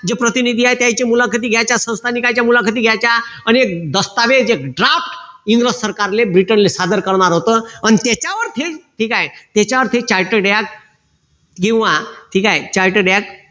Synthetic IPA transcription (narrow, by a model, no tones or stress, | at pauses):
d͡ʑepɾət̪inid̪ʱiaɦjt̪jãjt͡ɕemulakʰət̪̬iːɡʱjat͡ɕasə̃w̃st̪ʰanikat͡ɕjamulakʰət̪̬iːɡʱjajt͡ɕaañiek̚d̪əst̪aʋed͡zekɖɾaffʈiŋɡɾəsːəɾkaɾlebɾiʈənlesad̪əɾkəɾɳaɾɦot̪əañit̪et͡ɕaʋəɾt̪ʰeʈʰiːkajt̪jet͡ɕaʋəɾt̪ʰet͡ɕaɾʈəɖjak̚ | kĩw̃ʋaʈʰikajt͡ɕaɾʈəɖjak̚